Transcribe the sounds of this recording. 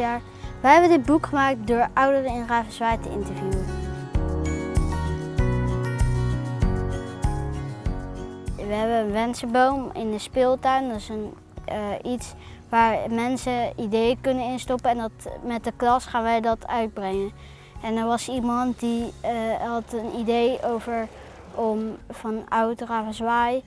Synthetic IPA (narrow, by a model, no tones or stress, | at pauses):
aːɹ | ʋəɦɛbəndɪd̚bukχəmaːk̚tdʊːɹʌwdərəɪnraːvəsʋɛjtəɪ̰ntəɹvjuə | ʋəɦɛbəənʋɛnsəbowmɪ̰ndəspɪlˠtœɥndɑtɪsən | its | ʋaːɹmɛnsəidejəkɵnənɪnstɔpəɛndɑtmɛt̚dəklɑsχaːnʋəjdɑtʰœɥd̚brɛŋən | ɛndəɹʋɑsimɑntdi | ɦɑtənidejowvəɹ | ʔɔmfɑnawtəraːfnzʋaːj